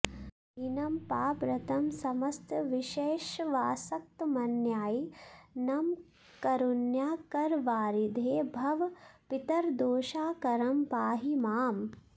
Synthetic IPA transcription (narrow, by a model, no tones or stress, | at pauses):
inɐmpaːpɾɐt̪ɐmsɐmɐst̪ʋiʃeːʃʋaːsɐk̚t̪mɐnjaːjnɐm | kɐɾunjaːkɐɾʋaːɾid̪ʱeːbʱɐʋpit̪ɐɾd̪oːʃaːkɐɾɐmpaːɦimaːm